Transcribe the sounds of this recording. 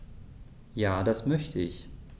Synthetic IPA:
jaːdasmœçtʰəɪç

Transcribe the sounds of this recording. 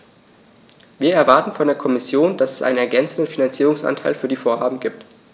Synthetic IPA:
viːɐɛɐvaɐtn̩fɔndeːɐkʰɔmɪsjoːnd̥asɛsʔa̰ɪnənɛɐɡɛnt͡sn̩dən̩finant͡siːʁ̞ʊŋsʔa̰ntʰaɪlfyːɐdiːfoːɐɦaːbm̩ɡiːp̚t

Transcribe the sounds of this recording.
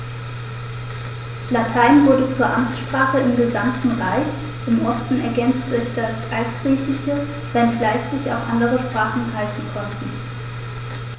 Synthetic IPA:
latʰaɪnvʊɐdət͡suːɐʔamt͡sʃpʁ̥aːχəɪmɡəzamtn̩ʁaɪç | ɪmʔɔstn̩ɛɐɡɛnt͡std̥ʊɐçd̥asʔaltɡ̥ʁiːçɪçə | v̥ɛntlaɪç̥ɪça̰ʊfʔandəʁəʃpʁ̥aːχn̩haltn̩kʰɔntn̩

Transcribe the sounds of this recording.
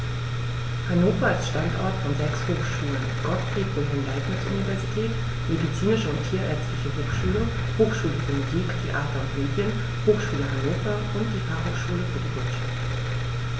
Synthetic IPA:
hanoːfɐalsʃtantʔɔ̰ɐtfɔnzɛkshoːxʃuːlənɡ̥ɔtfʁ̥ikʁ̥ɪɦɪnlaɪtnasʔṵnivɛɐzitʰɛːt | medit͡siːnɪʃəʊnttʰiːɐʔɛɐt͡stlɪçəɦoːxʃuːlə | hoːxʃuːlənføɐmuziːktʰeʔaːtɐʊntmeːdjən | hoːxʃuːləɦanoːfɐʔʊntd̥iːfahoːʃuːləfyɐdivɪɐtʃaft

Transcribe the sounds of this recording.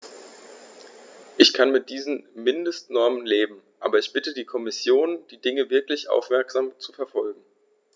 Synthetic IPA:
ʔɪçkʰanmɪt̚d̥iːzn̩mɪndəstnɔɐmənleːbm̩ʔa̰ːbɐɪçb̥ɪtədiːkʰɔmɪsjoːnd̥iːdɪŋəvɪɐklɪçʔa̰ʊfmɛɐkz̥aːmt͡sufɛɐfɔlɡŋ̩

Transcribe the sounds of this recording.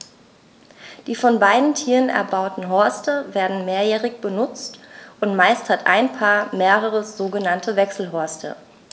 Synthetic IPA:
d̥iːfɔnbaɪdn̩tʰiːʁənʔɛ̰ɐbaʊtn̩ɦɔɐstəveːɐdn̩meːɐjɛːʁɪçb̥ənʊt͡stʔʊntmaɪsthatʔaɪnpʰaːɐmeːʁəʁəz̥oːɡənantʰəvɛksl̩ɦɔɐstʰə̰

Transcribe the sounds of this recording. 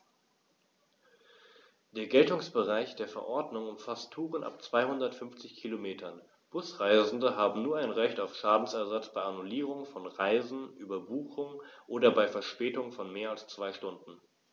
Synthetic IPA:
d̥eːɐɡɛltʊŋsb̥əʁaɪçd̥eːɐfɛɐʔɔɐdnʊŋʊmfastʰːuːʁənʔa̰pt͡sv̥aɪhʊndɐtfʏmft͡sɪçkʰilomeːtʰɐn | b̥ʊsʁaɪzn̩dəɦaːbm̩nuːɐʔaɪnʁɛçtaʊfʃaːdn̩sɛɐzat͡sb̥aɪanuliːʁ̞ʊŋfɔnʁaɪzn̩ʔyːbɐbuːxʊŋʔoːdɐbaɪfɛɐʃpɛːtʊŋfɔnmeːɐalst͡sv̥aɪʃtʊndn̩

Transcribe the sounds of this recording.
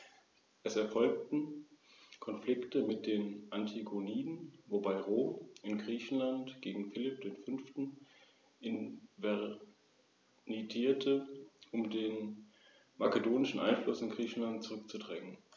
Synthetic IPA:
ʔɛsɛɐfɔlk̚tn̩ | kʰɔnflɪktəmɪt̚d̥eːnʔantʰiɡoniːdn̩vobaɪʁoːmʔɪnɡʁiːçn̩lantɡ̥eːɡŋ̩fɪlɪp̚d̥eːnfʏnftn̩ | ʔɪnvɛ | nitʰiːɐtʰəʔʊmdeːn | makədoːnɪʃn̩ʔa̰ɪnflʊsɪnɡʁiːçn̩lant̚t͡suʁʏk̚t͡sudʁɛŋən

